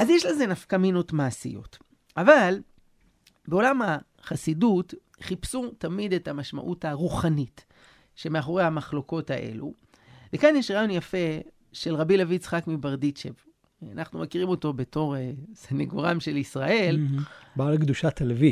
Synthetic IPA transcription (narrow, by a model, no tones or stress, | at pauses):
ʔazjeʃleze̞nafkamino̞tmaːsḭjo̞̰t | ʔaval | be̞o̞lamha | χasidut | χipsutamid̪e̞tamaʃma̰ʔutaʁuχanit | ʃe̞meaχo̞ʁejhamaχlo̞ko̞taʔe̞̰lṵ | vekanjeʃʁaːjo̞njafe̞ | ʃe̞lʁabilavit͡sχakmibaʁdit͡ʃev | anaχnumekiʁimo̞to̞be̞to̞ʁeseneɡoʁamʃe̞lisʁaʔe̞lbaːlkd̪uʃat̪elevi